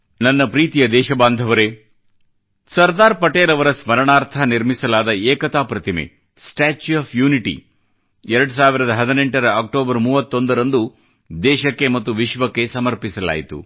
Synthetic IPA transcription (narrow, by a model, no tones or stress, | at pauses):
nɐnːɐpɾiːt̪ijɐd̪ɛːʃɐbaːnd̪ʱɐʋɐɾe | sɐɾd̪aːɾpɐʈeːlɐʋɐɾɐsmɐɾɐɳaːɾt̪ʰɐniɾmisɐlaːd̪ɐɛːkɐt̪aːpɾɐt̪imḛ | sʈaːt͡ʃuaːpʰjuːniʈḭ | ɛɾɐɽusaːʋiɾɐd̪ɐɦɐd̪ineɳʈɐɾɐaːk̚ʈoːbɐɾmuːʋɐt̪ːo̞nd̪ɐɾɐnd̪u | d̪ɛːʃɐkːemɐt̪ːuʋiʃʋɐkːe̞sɐmɐɾpisɐla̰ːjit̪ṵ